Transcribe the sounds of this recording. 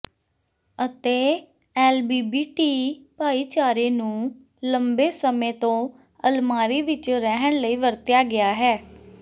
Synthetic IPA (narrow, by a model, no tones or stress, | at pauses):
ət̪eː | ɛːlbiːbiːʈiːpaːiːt͡ʃaːɾeːnũː | ləmbeːsəmẽːt̪õː | əlmaːɾiːʋɪt͡ʃɾɛɦəɳləiːʋəɾt̪jaːɡɪaːɦɛː